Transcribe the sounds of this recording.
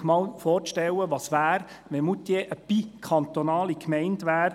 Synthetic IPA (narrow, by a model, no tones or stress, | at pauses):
mɑːlfɔːɾʃtɛlːəʋɑsʋæːɾ | ʋɛmut̪jeʔəpikʰɑnt̪onɑːlikmɛɪntʋæːɾ